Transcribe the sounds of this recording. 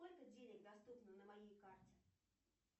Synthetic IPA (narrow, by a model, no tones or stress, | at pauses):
olʲkədʲenʲɪɡd̪ɐst̪upnənəmɐjejkartʲɪ̥